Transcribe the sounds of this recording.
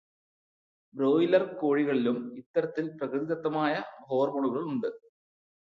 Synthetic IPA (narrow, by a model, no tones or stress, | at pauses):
bɾo̞ːjilɐrko̞ːɻiɣɐɭilumit̪ːɐɾɐt̪ːilprɐkrɨðiðɐt̪ːɐmaːjɐho̞ːrmoɳuɣɐɭuɳɖɨ